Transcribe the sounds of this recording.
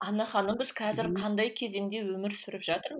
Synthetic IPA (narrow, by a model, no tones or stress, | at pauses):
ɑnɑχɑnːəbɪz̥qʰɑzɪɾqʰɑnd̪ɑjkʲʰe̞ze̞ŋd̪e̞wɵmɪɾsʏɾɪpʒɑt̪əɾm